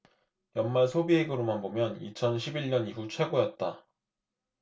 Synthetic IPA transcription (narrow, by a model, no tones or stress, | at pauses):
jʌnmaɭsʰobieɡɯɾomanbomjʌnit͡ɕʰʌnɕʰibiɭɲʌniɦut͡ɕʰwe̞ɡojʌt̚t͈a